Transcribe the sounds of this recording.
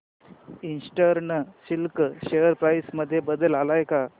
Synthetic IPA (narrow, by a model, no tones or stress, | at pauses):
insʈəɾɳəsilkɕejəɾpɾajsməd̪ʱːjebəd̪əlalajka